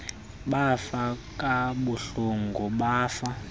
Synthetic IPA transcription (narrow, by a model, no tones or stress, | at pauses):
ɓafakʼaɓuɬuŋɡuɓaːfa